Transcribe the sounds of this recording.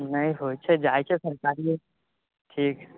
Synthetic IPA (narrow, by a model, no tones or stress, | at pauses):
nɐĩɦoːt͡ʃʰed͡ʒaːet͡ʃʰesɐɾkaːɾie | ʈʰiːk